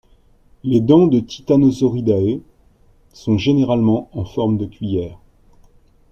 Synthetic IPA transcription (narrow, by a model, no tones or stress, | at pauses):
led̪ɑ̃d̪ət̪i̥t̪anɔzɔʁid̪ae | sɔ̃ʒeneʁalmɑ̃ɑ̃fɔʁmd̪əkʲɥijɛːʁ